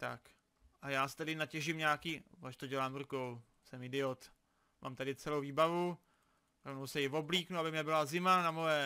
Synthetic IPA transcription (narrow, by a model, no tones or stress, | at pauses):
t̪a̰k | ʔajaːst̪adɪnacɛʒɪmɲaakiːvaʃt̪oɟɛlaːmɾukow | sɛmɪdɪot̪ | mʔa̰mt̪adɪt͡sɛlowviːbavu | ɾovnowsɛjɪvo̞bliːknuabɪmɲɛbɪlazɪmanamojɛ